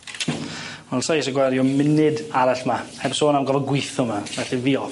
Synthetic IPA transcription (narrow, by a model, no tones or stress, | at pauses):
wɛlˠsajsəɡwaɾjɔmɪnɨdaɾaɬmahɛbsoːnamɡɔvɔɡwɪθʊmavɛɬiviːɔ